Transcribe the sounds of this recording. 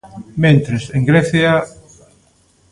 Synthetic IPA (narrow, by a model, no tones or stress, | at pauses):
mẽnt̪ɾeseŋɡɾɛθja